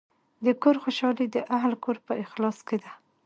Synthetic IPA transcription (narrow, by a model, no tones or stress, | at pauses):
d̪əkoɾxoʃɑlid̪əʔaɦlkoɾpəʔɪxlɑsked̪a